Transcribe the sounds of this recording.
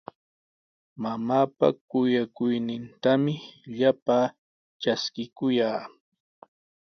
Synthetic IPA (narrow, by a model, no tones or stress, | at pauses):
mamaːpa̰kʊjakʊjnɪnt̪amɪʎapaː | t͡ʃaskɪkʊjaː